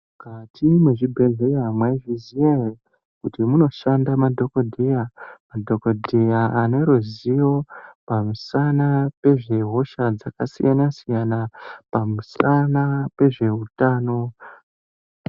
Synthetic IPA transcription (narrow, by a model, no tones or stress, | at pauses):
mukatʰimweʐibʱe̞ɮerɦamwaʐiziee | kutimuno̞ʃandamadʱo̞kodʱejamadʱo̞kodʱejaane̞ɾuzijo̞pamusanape̞ʐe̞ɦo̞ʃad͡zakasḭjanasijanapamusanape̞ʐe̞utaːno̞